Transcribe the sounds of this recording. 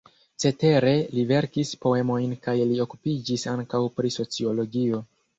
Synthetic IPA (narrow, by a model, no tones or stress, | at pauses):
t͡se̞te̞ɾe̞live̞ɾkispo̞e̞mo̞jnkajlio̞kupid͡ʒisaŋkawpɾiso̞t͡sio̞lo̞ɡio̞